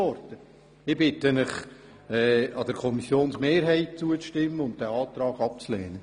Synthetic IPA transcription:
ɔɾt̪ə | ɪb̥ɪtənɪχ | ɛːɑd̥̪əɾkʰɔmisjoːnsmeːɾɦɛɪt̚t͡suət͡sʃtɪmːəʊnt̚d̥æɑːt̪ɾɑːɡ̥ɑp̚t͡slɛːnə

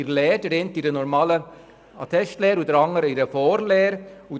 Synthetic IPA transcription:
iɾlɛːdəɾɛːntiɾənɔɾmɑːlə | ɑ̰t̪ʰɛstlɛːɾudəɾɑŋəɾəiɾəfɔːɾlɛːɾu

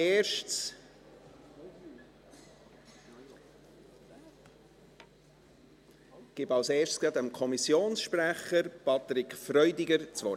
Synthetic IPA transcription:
eːʃts | ɡ̥ɪbɑlseːʃtskɛt̪əmkʰɔmisjoːnsʃpɾæχəɾpɑt̪ɾɪkfɾœʏdiɡəɾt͡sʋɔ

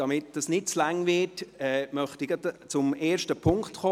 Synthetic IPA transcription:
d̥ɑmɪt̚d̥ɑsnɪt̚t͡slaŋvɪtɛːmœχtiɡɑdt͡sʊmeːɾʃtəpʰʊŋktχoː

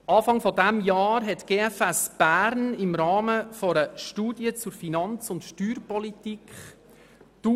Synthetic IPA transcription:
ʔɑːfɑŋfɔdæmjɑːɾɦɛtɡ̥eːɛfɛsb̥æːɾnɪmɾɑːməfɔɾəʃtuːdjət͡sʊɾfinɑnt͡sʊntʃtyːrpɔlitikχ | d̥u

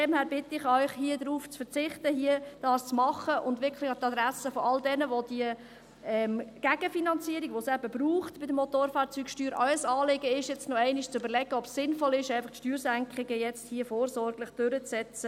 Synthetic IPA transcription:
fdɛmhæːɾbɪt̪ːəɪχœʏχhiəd̪ɾuːft͡sfəɾt͡sɪχtəhiəd̥ɑːst͡smɑχəʔʊndʋɪɾkχlɪχɑt̪ɑd̪ɾæsəfɔɑldɛnəʋod̥iə | ɛmɡ̥æɡ̥əfinɑnt͡siːəɾiɡʋosæbəbruːχtb̥ɪdəmɔtoːɾfɑːɾt͡syːkʃtyːɾʔɔʏəsɑːlɪɡəɪʃjɛt͡stnoɛɪnɪʃt͡søbəɾlɛɡəɔpsːɪnfɔlɪʃæɪfɑχtʃtyːɾsæŋkχɪɡəjɛt͡sthiəfoːɾsɔɾɡləχd̥øɾət͡ssɛt͡sə

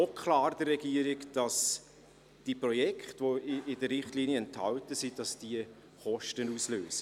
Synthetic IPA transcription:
okʰχlɑːɾd̥ərrɛɡ̥iəɾɪɡd̥ɑs | d̥iprɔjɛkχtvoɪɪdəɾɾɪχtliːniəɛnthɑ̰ltəsid̥ɑsd̥iə | χɔʃtənusløːsə

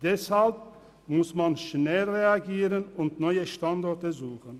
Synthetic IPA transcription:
d̥ɛshalp̚ | mʊsmanʃnɛlʁeaɡiːʁənʊntnɔʏəʃtandɔɐtəzuːxən

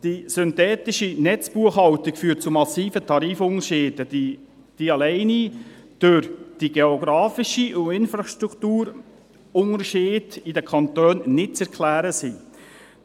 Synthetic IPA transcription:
d̥isʏnt̪ɛːt̪ɪʃinɛt͡sb̥uəχhɑwtikfyːət̚t͡sumɑsiːfətʰɑɾiːfʊŋəɾʃɪːd̥ədi | d̥iɑlɛɪnid̥øɾd̥iɡeoɡɾɑːfiʃiʔʊɪnfɾɑʃt̪ɾukt̪uːɾ | ʊŋəɾʃɪːdidəkʰɑnt̪øːnnɪt̚t͡sɛɾkʰlæːɾəsi

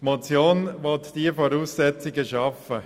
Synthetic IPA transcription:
tmot͡sjoːnʋɔt̪d̥iəfɔɾuːsːɛt͡sɪɡəʃɑfə

